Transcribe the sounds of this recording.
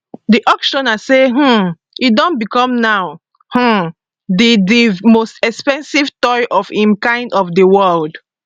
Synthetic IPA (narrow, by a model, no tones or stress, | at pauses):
diʔɔkʃɔ̃naseɦ̩ | idɔ̃nbikɔ̃mnaw | h̩ | didimostɛkspɛ̃nsivtɔjʔɔfhĩmkãɪ̃ndɔfdəwɜld